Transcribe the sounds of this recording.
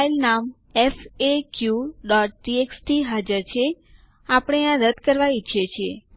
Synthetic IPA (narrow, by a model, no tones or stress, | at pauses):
ilnam | efekjuɖɔʈ̚ʈiekst̪ʰiɦad͡ʒəɾt͡ʃʰe | apəɽ̃eãɾəd̪kəɾʋait͡ʃʰet͡ʃʰe